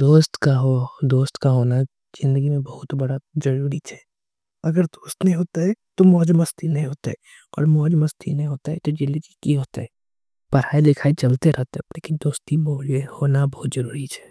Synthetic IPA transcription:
d̪oːst̪kaɦod̪oːst̪kaɦoːna | z̥ɪ̃nd̪əɡimẽbɐɦʊt̪bɐɽazɐɾuːɾit͡ʃʰɛ̥ː | ɐɡəɾd̪oːst̪nɐɦĩɦoːt̪aɦɛt̪omɔːd͡ʒmɐst̪ʰinɐɦĩɦoːt̪aɦɛ | ɔ̰ːɾmɔːd͡ʒmɐst̪ʰinɐɦĩɦoːt̪aɦɛt̪od͡ʒɪ̃nd̪əɡikiɦoːt̪aɦɛ | pɐɾ̤aːid̪ɪkʰaːit͡ʃɐlt̪eɾʔɛɦt̪eɦɛleːkɪnd̪oːst̪ibhoːnabɐɦʊt̪zɐɾuːɾit͡ʃʰɛ̥ː

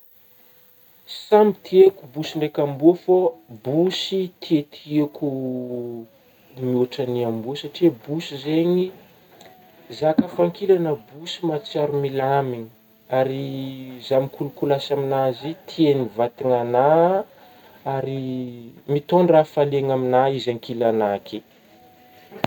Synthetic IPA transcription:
samit̪ʰiekubusiɳɖ͡ʐekʲambuəfobusit̪ʰiet̪ʰieku | miuʈ͡ʂaniambusaʈ͡ʂibusizeɲi | zakəfaŋkilanəbusimat͡saɾumilamiɲi̥ | aɾizamikʰulukulasaminazet̪ʰienivat̪iŋana | aɾi | mit̪onrafaleŋaminaizaŋkilanakʰe

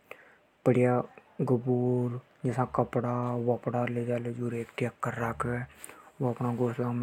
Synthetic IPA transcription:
pəɽɪja | ɡʊbuːɾ | d͡ʒɛsãkəpɽaʋəpɽaːleːd͡ʒaːled͡ʒuːɾeːkʈjəkːəɾːaːkɛwoɐpnaɡoːslaːm

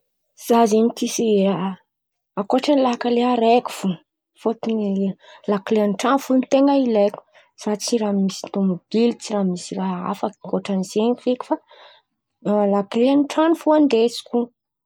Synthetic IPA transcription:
z̥azemit̪isia | akoʈ͡ʂanilakaleɦaɾeku̥fu | fot̪unilakleanʈ͡ʂanufunt̪eŋailekʲu̥ | z̥at͡siɾamisit̪umub̥ilit͡siramisiraɦa̰faki̥koʈ͡ʂanizeɲkfeku̥fa | lakleanʈ͡ʂanfuand̪esi̥kʲu

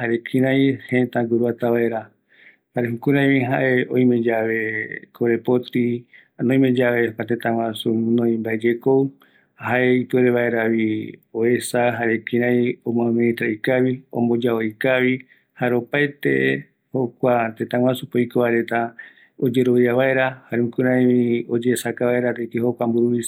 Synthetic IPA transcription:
haɾekʰĩɾãj̃hẽt̪aɡuɾuat̪aβaʔeɾa | aɾeɦukuɾãj̃βĩɦa̰ʔe̞õĩmẽ̞d͡ʒaβe̞kʰoɾe̞pot̪i | nõĩmẽd͡ʒaβe̞hokʷat̪ẽt̪ãŋwʷãsunõĩmbaed͡ʒekow | haʔeipɨeɾeβaeɾaβioe̞saɦaɾekĩɾãjõmõãmẽĩt̪ɾaikaβiõ̰mbo̞d͡ʒaojkaβi | haɾeopaet̪e̞̰ | ho̞kʷat̪ẽt̪ãwʷãsupojkoβaɾe̞t̪a | od͡ʒe̞ɾo̞βjaβae̞ɾahaɾeũkɨɾãjiod͡ʒesakaβaeɾaɾekiɦokʷambuɾuβis

